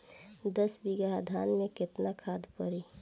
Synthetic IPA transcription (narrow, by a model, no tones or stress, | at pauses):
d̪əsbiɡaad̪ʱaːnmẽkɪt̪nakʰaːd̪ʱpəɾi